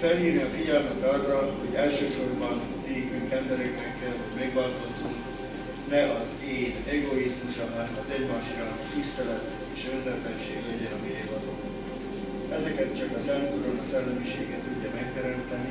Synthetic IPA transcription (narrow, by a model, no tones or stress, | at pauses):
fɛliːrniɒfiɟɛlmɛt̪ɒrːɒho̞ɟɛlʃøːʃo̞rbɒn | neːkyŋkɛmbɛɾɛknɛkfelɦɒɟmɛɡbɒlt̪o̞suŋ | nɛʔɒz | eːnɛɡo̞izmuʃɒnɛnmɒzɛɟmaːʃiɾanɒt̪ist̪ɛlɛt̪ | eːʃønzɛt̪lɛnʃeːɡlɛɟɛnɒmiɛːjvɒloː | ɛzɛkɛt̪t͡ʃɒkɒsɛnt̪uɾonɒsɛlːɛmiʃeːɡɛt̪ːuɟːɒmɛk̚t̪ɛɾɛnt̪ɛni